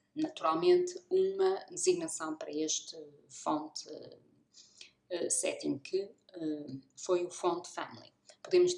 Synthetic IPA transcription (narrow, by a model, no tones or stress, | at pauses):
nɐt̪uɾalˠmẽnt̪ɨumɐd̪ɨziɣnɐsɐ̃w̃pɐɾɐeʃt̪ɨfõnt̪ | ɛsɛ̰t̪ĩŋkʰɨɛfojufõnt̪fɐ̰mlˠḭpuðemʊʃ